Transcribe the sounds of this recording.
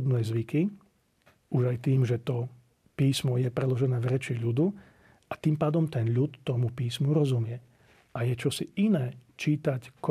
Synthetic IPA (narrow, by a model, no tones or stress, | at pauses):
d̪nɛjzʋiki | uʒajt̪iːmʒɛt̪ɔ | piːsmɔjɛpɾɛlɔʒɛnɛːvɾɛt͡ʃiʎud̪u | at̪iːmpaːd̪ɔmt̪ɛnʎut̪ːɔmupiːsmuɾɔzumɪɛ | ʔajɛt͡ʃɔsiinɛːt͡ʃiːt̪ack